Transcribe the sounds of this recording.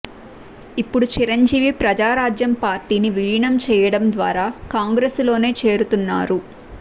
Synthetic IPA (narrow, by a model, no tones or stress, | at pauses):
ipːuɽut͡ʃiɾɐɲd͡ʒiːʋipɾɐd͡ʒaːɾaːd͡ʒjɐmpaːɾʈiːniʋiɭiɳɐmt͡ʃɛːjɐɽɐmd̪ʋa̰ːɾaːkaːŋɡɾeːslo̞ːne̞ːt͡ʃe̞ːɾut̪unːa̰ːɾu